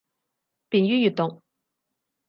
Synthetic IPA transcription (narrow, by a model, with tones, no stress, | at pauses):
pi˩˨njy˥jy˩˨t̪ɔ˩˨ŋ